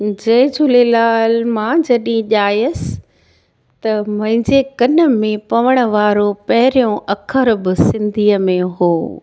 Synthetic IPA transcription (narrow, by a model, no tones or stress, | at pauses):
d͡ʑɐːd͡ʑʊlelaːlmãd͡ʑɐɗĩʄaːjəs | t̪ɐmɐ̃ɦɪ̃ɲd͡ʑekɐnəmẽpɐʋəɽ̃ʊ̆ʋaːɾopɐɦɪɾijõʔɐkʰəɾbɪsɪ̃nd̪ʱiːəmẽɦoː